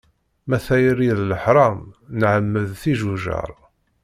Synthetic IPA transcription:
mæθæjəɾiðləħɾˤɑmnʕəmːəðθiʒuʒə̰ɾˤ

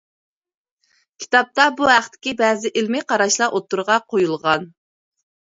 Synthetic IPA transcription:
kʲʰi̥t̪ɑp̚t̪ɑbuɦæχt̪ʰɪ̥kʲibɛːzɪʔɪlmɪqʰɑɾɑʃlˠɑʔot̪ːuɾʁɑqʰojulˠʁɑn

